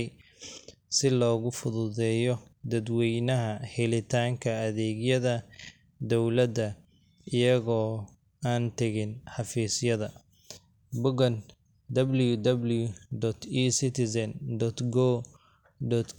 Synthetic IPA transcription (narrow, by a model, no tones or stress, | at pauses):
j | sɪlɔːɣʊfʊðʊðɛːjɔd̪ɐd̪wɛjnɐɦɐhɛlɪt̪ʰaːŋkʰɐːðɛːɡjɐðɐ | d̪ɔwlɐd̪ɐ | ɪjɐɣɔː | aːnt̪ʰɐɣɪnħɑfiːsjɐðɐ | bʊɡɐn | d̪ɐbljud̪ɐbljud̪ɔt̪ʰisɪt̪ʰɪsɐnd̪ɔt̪ɡɔ | d̪ɔt̪